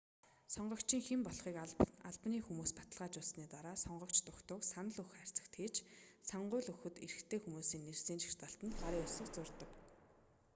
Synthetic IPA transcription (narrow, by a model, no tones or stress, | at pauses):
sɔɴɢɞ̆kt͡ɕiːŋxempɔɮχiːkaɮpniːxumuːspat̪ə̆ɮʁaːt͡ɕʊɮsniːt̪aɾaːsɔɴɢɞ̆kt͡ɕt̪ʊkt̪ʊːksanə̆ɮɵxær̥ʲt͡sə̥̆xt̪ʰeːt͡ɕsɔɴɢʊːɮɵxɵ̆t̪ḛɾɘ̆xt̪ʰeːxumuːsiːnːersiːnʃi̥r̥t̪aɬt̪ə̆nt̪ɢaɾiːʊɮsə̆kt͡sʊrt̪ə̆k